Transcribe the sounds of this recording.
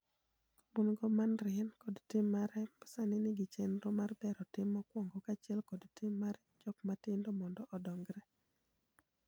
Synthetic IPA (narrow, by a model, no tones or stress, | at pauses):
obunɡɔmanɾɪnkɔdtɪmːaɾɛpḁsanɪnɪɡɪt͡ʃenɾɔmarbɛɾɔtɪmːɔkwɔŋɡɔkat͡ʃɛlkɔdtɪmːaɾɛd͡ʒɔkmatɪndɔmɔndɔʔɔdɔŋɡɾɛ